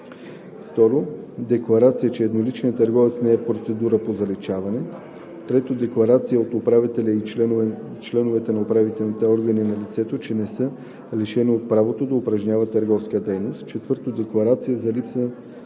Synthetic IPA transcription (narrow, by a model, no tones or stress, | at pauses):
ft̪ɔɾod̪ɛklˠɐɾat̪sijɛt͡ʃɛɛd̪nolit͡ʃnəət̪əɾɡɔvɛt̪snɛɛfpɾot̪sɛd̪uɾəpozɐlɛt͡ʃavɐnɛ | t̪ɾɛt̪od̪ɛklˠɐɾat̪sijəot̪opɾavit̪ɛlʲəiɛ | t͡ʃlɛnovɛt̪ɛnɐopɾavit̪ɛlˠnit̪ɛɔɾɡɐninɐlit̪sɛt̪ot͡ʃɛnɛsɤ | lɛʃɛniot̪̚pɾavot̪od̪ɐʊpɾɐʒnʲavət̪ːəɾɡɔfskiəd̪ɛjnost̪t͡ʃɛt̪vəɾt̪od̪ɛklˠɐɾat̪sijəzɐlipsə